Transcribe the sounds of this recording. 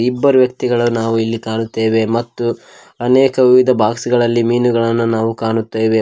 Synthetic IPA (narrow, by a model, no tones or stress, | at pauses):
ibːɐɾuʋjɐk̚t̪iɡɐɭunaːʋuilːikaːɳut̪ːeːʋe̞mɐt̪ːu | ɐnɛːkɐʋiʋid̪ʱɐbʱaːksiɡɐɭɐlːimiːnuɡɐɭɐnːunaːʋukaːɳut̪ːeːʋe̞